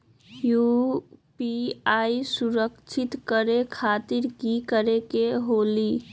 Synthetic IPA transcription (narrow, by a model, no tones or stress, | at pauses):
jupiaisuɾəkt͡ʃʰɪt̪kəɾekʰat̪iɾkikəɾekeɦoli